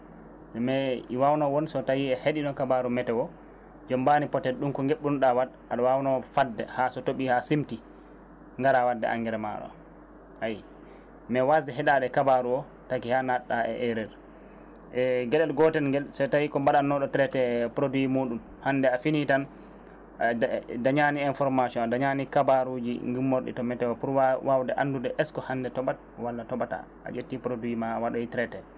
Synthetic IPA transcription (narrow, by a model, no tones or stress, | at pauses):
d͡ʒɛmɛiwawnɔwɔnsɔtawiɛheɗinɔkabaɾumɛtɛwɔ | d͡ʒɔmbanipɔtɛɗumkɔŋɡeɓːuɗawad | aɗɔwawnɔfadːɛ̰hasɔtoɓihasimti | ŋɡaɾawadːɛ̰ʔa̰ŋɡɛɾɛma̰ɗɔ̰ | haj | mɛwasdɛɦɛɗaɗɛkabaɾuɔ | takihanaɗːaɛ̰ʔɛɾɛɾ | ɛɡɛɗɛlɡɔtɛnɡɛsatawikɔmbaɗanːɔɗɔtɾɛtɛpɾodwimuːɗum | handɛafinitan | daɲaniɛnfɔɾmasiɔnadaɲanikabaɾud͡ʒḭŋɡimːoɾɗḭtɔmɛtɛwɔpuɾwawdɛʔa̰ndudɛʔɛskɔhandɛtɔɓat̚walːatɔɓata̰ | ʔa̰d͡ʒetːipɾodwimawaɗɔjitɾɛtɛ